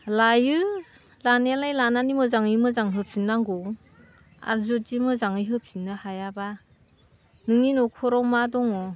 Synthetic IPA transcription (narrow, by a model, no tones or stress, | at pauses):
lajɯ | lanalajlananimɯzaŋɯmɯzaŋɦɯp̚sinːaŋɡɔ | a̰ɾzɔtimɯzaŋɯjɦɯp̚sinːɯhajaba | nɯŋinɔkʰɔɾɔwmadɔŋɔ